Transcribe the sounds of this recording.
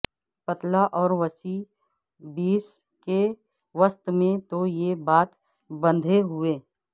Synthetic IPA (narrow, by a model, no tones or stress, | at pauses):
pət̪laʔɔːɾʋəsi | biːs | ke | ʋəst̪mẽt̪ojebaːt̪ | bə̃nd̪ʱeɦʊeː